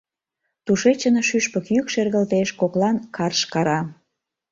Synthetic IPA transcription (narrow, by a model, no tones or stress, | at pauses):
t̪uʃet͡ɕənoʃyʃpəkjykʃerɣəlt̪eʃkoklɑnkʰɑrʃkɑɾɑ